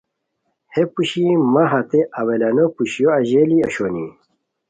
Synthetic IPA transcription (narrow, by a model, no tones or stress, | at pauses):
hepuɕimɐɦɐt̪eʔɐwelɐnopuɕjoɐʑeliɐɕoni